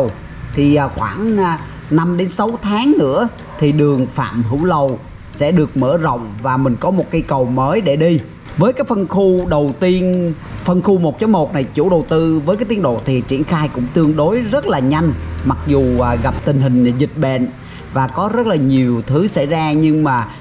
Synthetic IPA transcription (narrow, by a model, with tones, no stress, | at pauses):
ə˨˩w | t̪ʰi˨˩ʔːxwaː˧˩ŋː˨˩ | na˧mɗe˨˦nsa˨˦wt̪ʰaː˨˦ŋnɨ̰˧˥ə | t̪ʰi˨˩ɗɨ˨˩əŋfa̰ː˧˨mɦɨ̰˧˩˥wlə˨˩w | sɛ̰˧˥ɗɨ˨˩ək̚mə̰ː˧˩zə̰˧˨wŋ͡mvaː˨˩mï˨˩ŋ̟kɔ˨˦mo˨˩t̚ka˨˧˦jkə˨˩wməː˨˦jɗe˧˩ɗi˧ | vəː˨˦jkaː˨˦jfə˧nxu˧ɗə˨˩wt̪i˧ənfə˧nxu˧mo˨˩t̚t͡ɕɔ˨˦mo˨˩t̚na˨˩jt͡ɕṵ˧˥ɗə˨˩wt̪ɨ˧vəː˨˦jkaː˨˦jt̪i˨˧ə˦nɗo̰˧˨t̪ʰi˨˩t͡ɕḭ˧˩ənxaː˧jkʊ̰˧˥ŋ͡mt̪ɨ˧əŋɗo˨˦jzə˦˥t̚laː˨˩ɲa˧jŋ̟ma˨˩k̚zuː˨˩˨ɣa˨˩p̚t̪ï˨˩ŋ̟ɦï˨˩ŋ̟zï˨˩t̟̚ɓḛ˧˨n | vaː˨˩kɔ˨˦zə˦˥t̚laː˨˩ɲi˨˩əwt̪ʰɨ˨˦sa̰˧˥jzaː˧ɲɨ˧ŋmaː˨˩